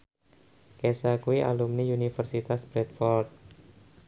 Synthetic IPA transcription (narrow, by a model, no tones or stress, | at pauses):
kɛsakuiʔa̰lumniunifərsit̪asb̥ɾɛt̪̚fɔrt̪̚